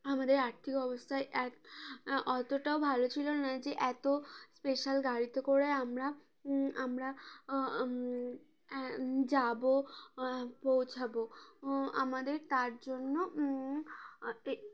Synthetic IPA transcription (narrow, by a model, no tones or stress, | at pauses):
amad̪eɾaɾt̪ʰikɔbost̪ʰaeʔɛ | ʔɔt̪oʈaobʱalot͡ɕʰilonad͡ʑeʔɛt̪ospeʃalɡaɽit̪okoɽeamɾa | amɾa | d͡ʑabo | powt͡ɕʰabo | a̰mad̪eɾt̪aɾd͡ʑonːo | e